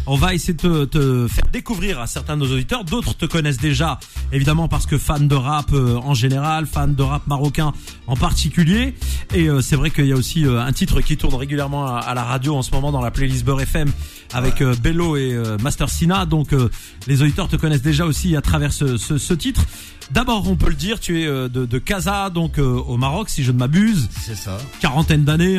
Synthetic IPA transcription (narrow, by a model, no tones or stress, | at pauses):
ɔ̃vaesejed̪ət̪ət̪əfɛ̰ʁd̪ekuvʁiʁasɛʁt̪ɛ̃d̪ənozod̪it̪œʁd̪ot̪χət̪əkɔnɛs̬d̪eʒa | evid̪amɑ̃paʁsə̥kəfand̪əʁapøɑ̃ʒeneʁalfand̪əʁap̚maʁɔkʲɛ̃ | ɑ̃paʁt̪ikʲyljeːøsɛvʁɛkəiljaosiøɛ̃t̪it̪χəkʲit̪uʁnʁeɡʲyljɛʁmɑ̃a̰laʁad̪joɑ̃səmɔmɑ̃d̪ɑ̃laplelis̬bøʁɛfɛm | avɛkøbeloeømast̪œʁsinad̪ɔ̃kø | lezod̪it̪œʁt̪əkɔnɛs̬d̪eʒaosiat̪χavɛʁsəsəsət̪it̪χ | d̪abɔːʁɔ̃pøləd̪iʁt̪yɛød̪əd̪əkazad̪ɔ̃køomaʁɔksiʒənmabyzsɛsakaʁɑ̃t̪ɛnd̪ane